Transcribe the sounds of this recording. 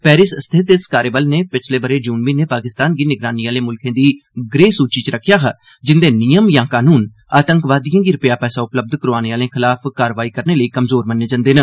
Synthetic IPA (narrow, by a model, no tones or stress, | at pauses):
pɛːɾɪsst̪ʰɪt̪et̪skaːɾeːbəlneːpɪt͡ʃʰleːbəɾeːd͡ʒuːnʋiːneːpaːkɪst̪aːnɡiːnɪɡɾaːniːaːleːmʊlkʰẽːd̪iːɡɾeːsuːt͡ʃiːt͡ʃɾəkʰːjaːɦə | d͡ʒɪnd̪eːnɪjəmjãːkaːnuːn | aːt̪əŋkʋaːd̪ijãːɡiːɾəpjaːpɛːsaːʊpləb̚d̪kəɾoaːneaːlẽːkʰɪlaːpkaːɾʋaːiːkəɾneːləiːkəmzoːɾmənːeːd͡ʒə̃nd̪eːnə